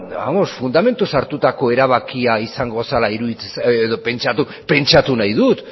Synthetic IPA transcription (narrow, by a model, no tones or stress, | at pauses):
a̰mosfund̪ame̞nt̪usaɾt̪ut̪ako̞e̞ɾaβ̞akiaisaŋɡosalaiɾuðit͡seseðope̞nt͡ʃat̪u | pe̞nt͡ʃat̪unajðut̪